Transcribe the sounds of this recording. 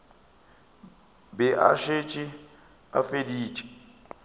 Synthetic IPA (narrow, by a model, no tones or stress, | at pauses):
bɛʔa̰ʃet͡ʃʼi | a̰fediːt͡ʃʼɛ̥